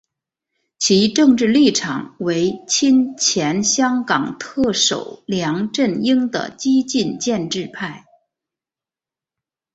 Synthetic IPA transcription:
t͡ɕʰi˧˥ʈ͡ʂɤ˥˧ŋʈ͡ʂɻ̩˥˧li˥˩ʈ͡ʂʰɑ̰˨˩ŋwe˧˥ɪt͡ɕʰi˥nt͡ɕʰjɛ˧˥nɕjɑ˥ŋkɑ˨˩ŋt̪ʰɤ˥˩ʂo̰˨˩ʊljɑ˧˥ŋʈ͡ʂə˥˩ni˥ŋd̪ə̰˨t͡ɕi˥t͡ɕi˥˧nt͡ɕjɛ˥˧nʈ͡ʂɻ̩˥˧pʰa˥˩ɪ

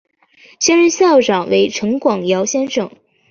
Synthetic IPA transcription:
ɕjɛ˥nɻə˥˧nɕjɑ˥˩ʊʈ͡ʂɑ˨˩ŋwḛ˧˥ɪʈ͡ʂʰɤ˧˥ŋkwɑ˨˩ŋjɑ˧˥ʊɕjɛ˥nʂɤ˨˩˦ŋ

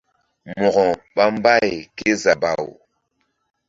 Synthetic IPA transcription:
mɔ˨ɣɔ˨ɓa˦m˦ba˦jke˦za˨ba˨w

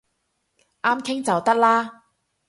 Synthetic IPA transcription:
ʔaː˥mkʰɪ˥ŋt͡sɐ˨wt̪ɐ˥k̚laː˥

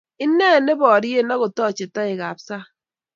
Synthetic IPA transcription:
ɪ˦nːɛ˦˨ne˦bɔ˨ɾi˦e˦na˦ɣo˨tɔ˦˨t͡ʃɪ˨tɔ˦ɪ˨ka˨psa˦

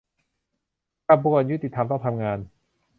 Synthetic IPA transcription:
ka˧bu˧˩ə˨nju˦˥t̪ːi˨˩t̪ʰːa˧mt̪ɔ˥˩ŋt̪ʰa˧mŋaː˧n

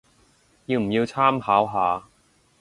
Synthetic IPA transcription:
jiː˧wm̩˨˩jiː˧wt͡sʰaː˥mhaː˨˥wɦaː˨˧

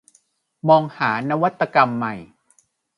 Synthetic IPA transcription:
mɔː˧ŋhaː˩˦na˦˥wa˦˥t̪ːa˧ka˧mːa˨˩j

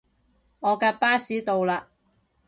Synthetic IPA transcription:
ŋɔː˨˧kaː˧paː˥siː˨˥t̪o˨wlaː˧

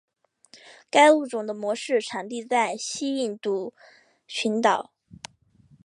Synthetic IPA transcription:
ka˥ɪu˥˩ʈ͡ʂʊ˨˩ŋd̪ə˧mwɔ˧˥ʂɻ̩˥˩ʈ͡ʂʰa˨˩ŋt̪̬i˥˧t͡sa˥˩ɪɕi˥i˥˩nt̪u˧˥ | ɕʰy˧˥nt̪ɑ˨˩˦ʊ

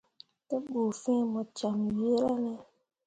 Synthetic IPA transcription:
tɛ˦ɓo˨fɛ̃˦mɔ˨t͡ʃa˨mje˦ɾa˦nɛ˦

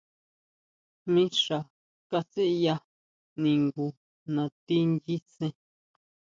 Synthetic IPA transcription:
mĩ˦ʂa˨ | ka˧se˦ʔja˦ | nĩ˨ŋɡu˨ | nã˨˧t̪i˦ndi˦sẽ˧

